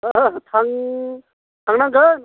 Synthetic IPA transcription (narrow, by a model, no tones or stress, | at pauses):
t̪ʰaŋ | t̪ʰaŋnaŋɡə